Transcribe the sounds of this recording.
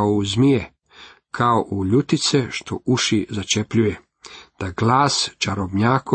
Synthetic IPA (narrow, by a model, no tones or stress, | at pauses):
ouzmije | kʰaoʔuʎut̪it̪seʃt̪ʰo̰ʔuʃizat͡ʃepʎuje | d̪̥aɡlaːst͡ʃaɾobɲaːko